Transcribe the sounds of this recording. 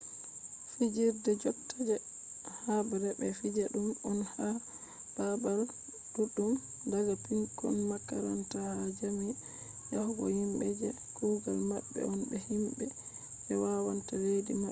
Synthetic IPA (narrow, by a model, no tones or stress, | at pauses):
fid͡ʒiɾdɛd͡ʒɔb̚tʰad͡ʒɛ | habaɾɛbɛfid͡ʒaɗumɔnha | b̥abal | d̥uɗːum | daɡapiŋkɔ̰nmakaɾantahad͡ʒami | jahɡɔ̰himbɛd͡ʒɛ | kuɡalmabːɛ̰ɔnbɛhimbɛ | bɛwawantaledima